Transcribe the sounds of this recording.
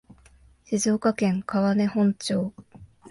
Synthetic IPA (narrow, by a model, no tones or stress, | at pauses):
ɕizo̞ːkakẽ̞ŋkaβane̞hõ̞ɲ̟t͡ɕo̞ː